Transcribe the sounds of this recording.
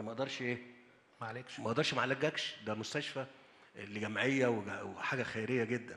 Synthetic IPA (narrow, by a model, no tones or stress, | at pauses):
mæʔd̪ɑɾˤʃʔeː | maʕlekʃmæʔd̪ɑɾˤʃmaʕlæɡːækʃd̪æmost̪æʃfæ | lːiɡæmʕejːæweweħaːɡæxæjɾejːæɡed̪ːæn